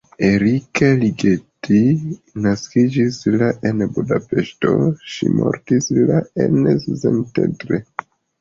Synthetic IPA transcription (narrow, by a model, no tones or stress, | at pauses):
eɾikaliɡeti | naskid͡ʒislaʔenbudape̞ʃto̞̰ʃḭmo̰ɾtislaenszentetɾe